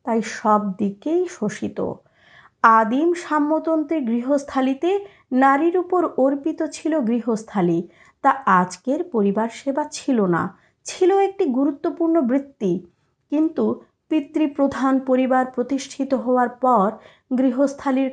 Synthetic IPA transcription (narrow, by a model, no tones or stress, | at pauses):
t̪ajʃɔb̚d̪ikejʃoʃit̪o̰ | ad̪imʃamːot̪ont̪ɾeɡɾiɦost̪ʰalit̪e | naɾiɾupoɾoɾpit̪ot͡ɕʰiloɡɾiɦost̪ʰali | t̪aad͡ʑkeɾpoɾibaɾʃebat͡ɕʰilona̰ | t͡ɕʰiloek̚ʈiɡuɾut̪ːopuɾnobɾit̪ːi | kint̪u | pit̪ːɾipɾod̪ʱanpoɾibaɾpɾot̪iʃʈʰit̪oɦɔoaɾpɔɾ | ɡɾiɦost̪ʰaliɾ